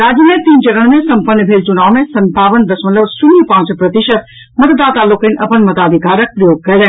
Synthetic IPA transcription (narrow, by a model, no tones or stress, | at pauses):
ɾaːd͡ʑjəmẽt̪iːnt͡ʃɐɾəɽ̃mẽsɐmpənːəbʱeːlt͡ʃʊnaːʋmẽsɐnt̪aːʋənd̪ɐsmɐlɐʋsʊnipãːt͡ʃpɾɐt̪ɪʃət̪̚ | mɐt̪d̪aːt̪aːlokə̃nʔɐpənmɐt̪aːd̪ʱikaːɾək̚pɾɐjoːɡ̚kɐjlã